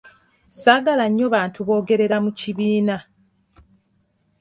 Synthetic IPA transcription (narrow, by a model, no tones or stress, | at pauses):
saːɡalaɲːo̞βaːntʰuβo̞ːɡe̞ɾe̞ɾamuciβiːna